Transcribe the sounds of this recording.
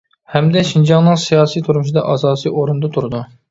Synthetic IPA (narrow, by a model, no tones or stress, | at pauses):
hɛmd̪ɛʃind͡ʒɑŋnɨŋsijɑːsijt̪ʰuɾmuʃ̬id̪ɑʔɑːsɑːsiʔoɾund̪ɑt̪ʰuɾɨd̪u